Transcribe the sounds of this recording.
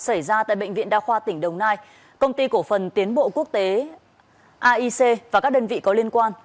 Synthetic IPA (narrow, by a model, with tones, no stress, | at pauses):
sə˧˩jzaː˧t̪a̰ː˧˨jɓə̰˧˨ŋ̟vḭ˧˨ənɗaː˧xwaː˧t̪ï˧˩ŋ̟ɗə˨˩wŋ͡mnaː˧j | kə˧wŋ͡mt̪i˧ku˧˩əfə˨˩nt̪i˨˦ənɓo̰˧˨ku˦˥ək̚t̪e˨˦ | ʔaː˧ʔi˧se˧vaː˨˩kaː˦˥k̚ɗəː˧nvḭ˧˨kɔ˨˦li˧ənkwaː˧n